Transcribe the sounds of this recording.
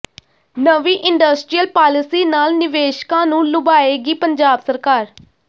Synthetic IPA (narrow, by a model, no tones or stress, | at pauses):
nəʋiːʔɪɳɖəsʈɾiːəlpaːlɪsiːnaːlnɪʋeːʃkãːnũːlʊbaːeːɡiːpəɲd͡ʒaːbsəɾkaːɾ